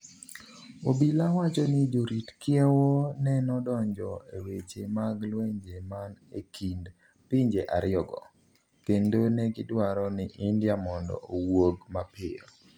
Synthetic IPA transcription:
obilawat͡ʃɔnɪd͡ʒoɾitkjɛwɔnɛnɔdɔɲd͡ʒɔewet͡ʃemaɡlweɲd͡ʒemanekʰind | pɪɲd͡ʒeʔaɾɪɔɡɔ̰ | kendonɛɡɪdwaɾɔnɪʔindjamɔndɔ̰owoɡmapɪɔ

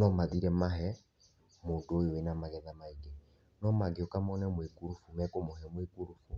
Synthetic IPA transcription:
nɔmaðiɾɛmaɦɛ | moːdojowenamaɣɛðamaiɡe | nɔmaɡeokamɔnɛmwekuɾufumɛkomohɛmwekuɾufu

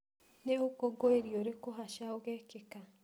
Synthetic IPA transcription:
neukoɡoeɾjoɾekuɦaʃaoɣekika

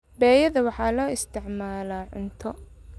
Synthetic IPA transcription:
bɛːjɐðɐwɑħɑːlɔːɪst̪ʰɪʕmaːlaːʕʊnt̪ʰɔ

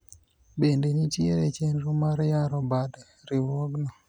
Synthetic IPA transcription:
bendenitjeɾet͡ʃenɾomaɾjaɾɔbad | ɾiwɔɡnɔ

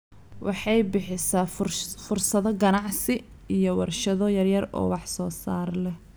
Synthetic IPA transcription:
wʔɑħɑjbɪħɪsaːfʊrsɐðɔɡɐnɑʕsɪ | ijɔwɑrʃɐðɔjɐrjɐrɔ̰ːwɑħsɔːsaːrlɛh

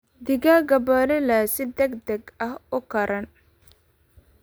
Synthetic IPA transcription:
d̪ɪɡaːɡɐbɔːlɛlaːsɪd̪ɛɡd̪ɐɡɐhʊkʰɐɾɐn

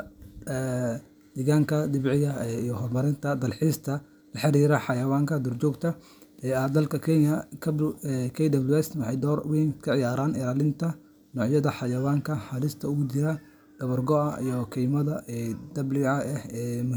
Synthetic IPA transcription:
ɛ | d̪ɪɣaːŋkʰɐd̪ɪbʕɪɣɐijɔɦɔrmɐɾɪnt̪ʰɐd̪ɐlħist̪ʰɐ | lɐħɪɾiːɾɐħɑjɐwaːŋkʰɐd̪ɔrt͡ʃɔːɡt̪ʰɐ | ɛɐd̪ɐlkʰɐkʰɛnjɐkʰɐbkʰɛjd̪ɐblwɛst̪wɑħɑjd̪ɔːrwiːnkʰɐʕɪjaːɾaːnɪɾaːlɪnt̪ʰɐ | nɔːʕjɐðɐħɑjɐwaːŋkʰɐħɑlɪst̪ʰɐʊɣʊd̪ɪɾɐ | d̪̥ɐβɐrɡɔɐḭjɔkʰɛjmɐðɐɛd̪ɐblɪɐɛhɛːmʊ

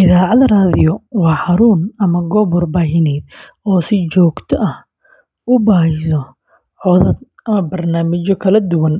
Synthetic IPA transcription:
ʔɪðaːʕɑðɐraːðɪjɔwɑːħɑɾuːnɐmɐɡɔβɔrbaːɦɪnɛːd̪ | ɔːsɪt͡ʃɔːɡt̪ʰɔʔɐh | ʊbaːhɪsɔ | ʕɔðɐd̪ | ɐmɐbɐrnaːmɪt͡ʃɔkʰɐlɐd̪ʊwɐn

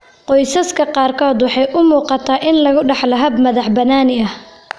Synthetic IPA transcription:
qɔjsɐskʰɐqɑːrkʰɔːd̪wɑħɑjʔʊmuːqɑt̪ʰaːʔɪnlɐɣʊɖɑħlɐɦɐbmɐðɑħbɐnaːnɪɐh

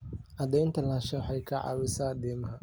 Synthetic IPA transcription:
ʔɐd̪ɛjnt̪ʰɐlaːʃɐwħɑjkʰɐʕɑ̰ːwɪsaːd̪ɛːmɐɦɐ

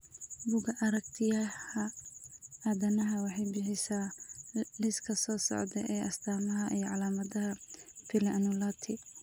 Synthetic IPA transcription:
bʊɡɐʔɐɾɐkt̪ʰɪjɐhɐ | aðɐnɐɦɐwɑħɑjbɪħɪsaː | lɪskʰɐsɔːsɔ̰ʕd̪ɛʔɛːʔɐst̪ʰaːmɐɦɐʔijɞʕɑlaːmɐðɐɦɐpʰɪlɐʔnʊlaːt̪ʰɪ

